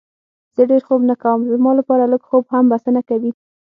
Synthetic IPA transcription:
z̥əɖeɾxobnakawəmzəmɑlapɑɾaləɡxobhambasənakawi

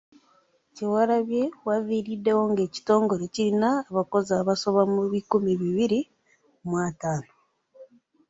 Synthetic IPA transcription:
ciwaɾaβje̞waviːɾide̞wo̞ŋɡe̞ːci̥to̞ːŋɡo̞ɾe̞ciɾinaːβako̞zaβaso̞βamuβikumiβiβiɾi | omwaːtaːno

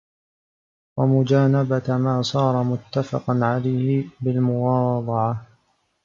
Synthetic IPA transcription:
wamʊd͡ʒaːnabamaːsˤɑːɾˤɑmʊt̪ːafɑ̰qɑnʕalajhɪbɪlmʊwɑːd̪ˤɑʕɑ

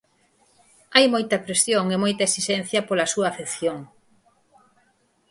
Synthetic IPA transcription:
ajmojt̪ɐpɾesjoŋemojt̪ɐesiʃɛnθjɐpolɐsuɐːfekθjoŋ

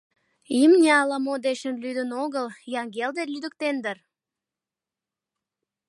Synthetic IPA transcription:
imnʲeɑlɑmod̪eɕənlyd̪ənoɣəljɑŋɡeld̪elʲyd̪ək̚t̪end̪ər

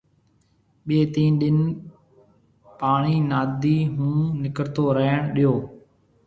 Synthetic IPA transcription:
ɓeːt̪iːnɗɪn | paːɳiːnaːd̪iːɦũːnɪkəɾt̪oːɾəɦɳɗɪjoː

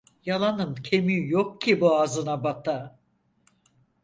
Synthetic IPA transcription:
jalˠanɯmcʰemyjokcʰibuazɯnabat̪ʰa

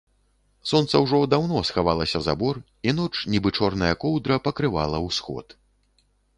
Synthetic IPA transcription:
sɔnt̪sɐwʐɔd̪awn̪ɔsxavalˠɐsʲɐza̰bɔr | inɔt͡ʂnʲibɨt͡ʂɔrnɐjɐkɔwd̪ɾɐpɐkɾɨva̰lˠɐwsxɔ̰t̪

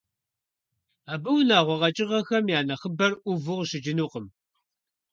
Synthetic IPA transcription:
aːbʼɨwnaːʁʷɔʁɐt͡ʃʼɪʁɐxɐmjaːnɐχəbɐrʔʷʊvɨʁʃɪd͡ʒɪnuːqəm

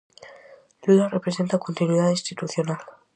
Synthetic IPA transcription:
ʎuðarepɾese̞nt̪akont̪inwiðaðinst̪it̪uθjonal

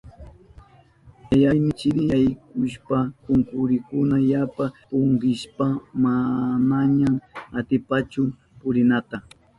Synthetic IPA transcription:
jajajmɪt͡ʃɪɾɪjajkʊʃpakʊŋkʊɾɪkʊnajapapoʊɴɢɪʃpamanaɲamat̪ɪpat͡ʃʊ | pʊɾɪnat̪a

